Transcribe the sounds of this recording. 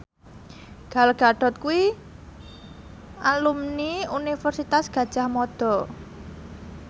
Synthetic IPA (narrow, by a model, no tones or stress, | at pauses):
ɡ̥alɡ̥a̤ɖ̥ɔ̤t̪̚kui | alumniunifɛrsit̪asɡ̥ä̤d̥ʒ̥a̤hmɔd̪̥ɔ̤